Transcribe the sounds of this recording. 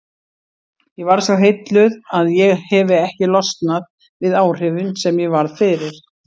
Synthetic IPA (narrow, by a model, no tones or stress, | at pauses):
jɛvaɾ̥svawɦejt̪lʏðaðjɛɣhɛvɪɛhcɪlɔst̪nað | vɪðaːwr̥ʏvʏnsɛmjɛvaɾðfɪːɾɪɾ̥